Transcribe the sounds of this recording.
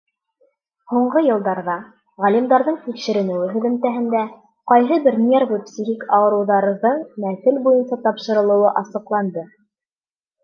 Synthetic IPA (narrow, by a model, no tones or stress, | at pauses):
huɴɢɤjɤ̆lˠd̪ɑɾðɑ | ʁælʲimd̪ɑɾðɤɴt̪ikʃɘ̆ɾɘ̆nɘ̆wɘɦɵ̆ðɘ̆nt̪æɦɘ̆nd̪æ | qɑjɦɤbɘɾnervupsʲixikɑwɤ̆ɾŭwðɑɾɤ̆ðɤɴmæθɘlbujɤnsɑt̪ɑpʃɤ̆ɾɤ̆lˠɤ̆wɤʔɑsɤ̆qlˠɑnd̪ɤ